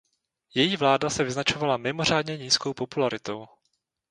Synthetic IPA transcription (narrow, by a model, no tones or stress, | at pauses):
jɛjiːvlaːdasɛvɪznat͡ʃo̞valamɪmor̝aːdɲɛɲiːsko̞wpo̞pulaɾɪt̪o̞w